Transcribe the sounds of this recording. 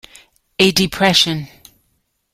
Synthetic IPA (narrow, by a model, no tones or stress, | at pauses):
ədɪpʰɹ̥ɛʃə̃n